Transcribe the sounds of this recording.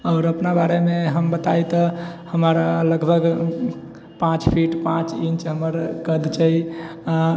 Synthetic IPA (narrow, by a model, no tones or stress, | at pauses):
ɔʊɾəpnabaɾemeɦəmbət̪ajt̪ɔhəməɾləɡbʱəɡ | pãt͡ʃpʰiʈpãt͡ʃint͡ʃɦəməɾkəd̪t͡ʃəia